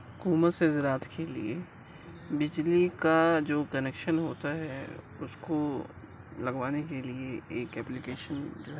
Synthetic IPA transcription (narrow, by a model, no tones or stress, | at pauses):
ɦʊkuːmət̪sezɾaːt̪ʰkʰelḭe | bɪd͡ʒlikad͡ʒoːkɐneːkʃənɦoːt̪aɦɛ | ʊsko | lɐɡʋaːnekelieeːkɛːplɪkeːʃənd͡ʒoːɦ